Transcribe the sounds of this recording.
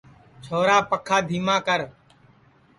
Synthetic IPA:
t͡ʃʰoːɾaːpəkʰaːd̪ʱiːmãːkəɾ

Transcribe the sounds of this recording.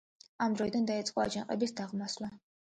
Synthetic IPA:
amd̪ɾɔid̪and̪ait̪sʼqʼɔa̰d͡ʒanqʼɛbisd̪aʁmaslˠa

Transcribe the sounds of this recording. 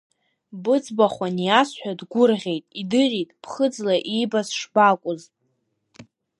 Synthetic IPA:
bɨd͡zbaχʷanjasħʷᶣadɡʷʊrʁʲe̞jtʼidɨɾitʼpʰχəd͡zlaʔibasʂbakʷʼʊz

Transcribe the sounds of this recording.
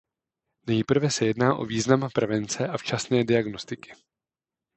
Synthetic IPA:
nɛjpr̩vɛsɛjɛdnaːʔo̞̰viːznampɾɛvɛnt͡sɛʔaft͡ʃasnɛːdɪaɡno̞st̪ɪkɪ̥

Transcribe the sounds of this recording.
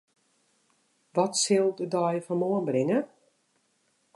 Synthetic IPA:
ʋɔtsɪlˠdədɔjfɔnmoənbrɾɪŋə

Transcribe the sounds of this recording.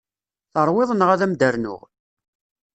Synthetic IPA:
θəɾˤwɪðˤənʁæðæmd̪əɾnʊ̰ʁ

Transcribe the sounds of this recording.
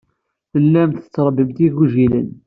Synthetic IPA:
θəlːæmt̪ə̥t͡sːɾˤbəmt̪iɣuʒilən

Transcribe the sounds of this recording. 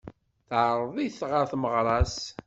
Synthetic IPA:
θʕəɾˤðˤiθʁəɾθməʁɾˤɑs

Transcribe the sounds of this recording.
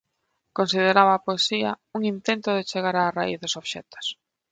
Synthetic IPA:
konsið̞eɾaβaːpoesia̰ | uŋint̪ent̪ʊðet͡ʃeɣaɾaːraiθðʊsoβʃɛ̰t̪o̥s

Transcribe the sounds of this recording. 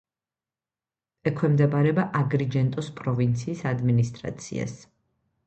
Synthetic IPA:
ɛkʰwɛmd̪ɛbaɾɛbaʔaɡɾid͡ʒɛnt̪ʼɔspʼɾɔvint̪sʰiːsad̪minist̪ʼɾa̰t̪sʰḭa̰s

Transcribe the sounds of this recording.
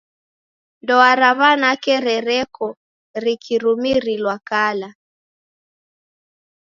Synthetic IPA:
ndɔaɾaβanakɛɾɛɾɛkʰɔ | ɾikʰiɾumiɾilwakala

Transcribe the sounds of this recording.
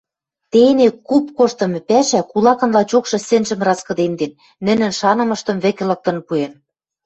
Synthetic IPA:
t̪enekupkoʃt̪ɤ̆mɘ̆pæʃækulɑkɤ̆nlɑt͡ɕokʃɤ̆sɘ̆nʒɘ̆mrɑskɤ̆d̪end̪enː | ɘ̆nɘ̆nʃɑnɤ̆mɤ̆ʃt̪ɤ̆mβɘ̆kĕlɤ̆k̚t̪ɤ̆npuen

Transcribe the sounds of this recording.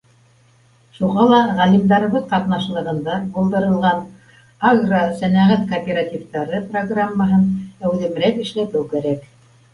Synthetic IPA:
ʃuʁɑlˠɑʁælimd̪ɑɾɤ̆βɤðqɑt̪nɑʃlˠɤ̆ʁɤ̆nd̪ɑbulˠd̪ɤ̆ɾɤ̆lˠʁɑn | aɡrosænæʁæt̪koːpʲerat̪ʲift̪ɑɾɤproɡramːəɦɤnæʉðɘ̆mɾækɘ̆ʃlæt̪ɘwkæɾæk

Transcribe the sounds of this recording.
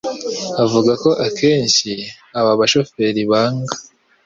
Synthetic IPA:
avuɡako̞ʔakʰe̞ːɲʃi | aβaβaʃo̞fe̞ɾiβaːŋɡḁ

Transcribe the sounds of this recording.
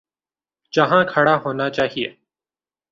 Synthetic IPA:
d͡ʒɐɦãːkʰəɽaɦoːnat͡ʃaːɦieː

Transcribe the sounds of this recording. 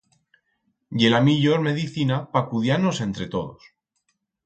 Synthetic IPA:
ʝe̞lamiʎoɾme̞ðiθinapakuðjanose̞nt̪ɾe̞t̪o̞ð̞o̰s

